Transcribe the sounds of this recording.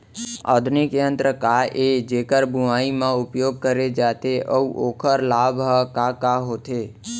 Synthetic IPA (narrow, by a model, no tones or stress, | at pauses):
ə̰d̪ʱnikeənt̪ɾəkaʔed͡ʒekəɾbʱuaimãupjoɡ̚kəɾed͡ʒat̪eʔəũʔokʰəɾlabɦəkakaɦot̪ʰe